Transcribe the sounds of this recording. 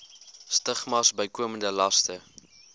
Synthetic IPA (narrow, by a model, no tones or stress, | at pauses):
stəχmɐsbəjkuəməndəlɐstə